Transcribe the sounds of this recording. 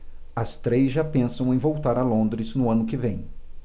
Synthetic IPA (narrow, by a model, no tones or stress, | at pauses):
ɐst̪ɾezʒapẽsɐ̃w̃ẽj̃vowt̪aɾɐlõnd̪ɾɪznʊɐ̃nʊkɪvẽj̃